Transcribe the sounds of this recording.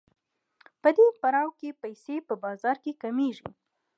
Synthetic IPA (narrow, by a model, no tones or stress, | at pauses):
pəd̪epaɾɑwkepajsepəbɑzɑɾkekameʒḭ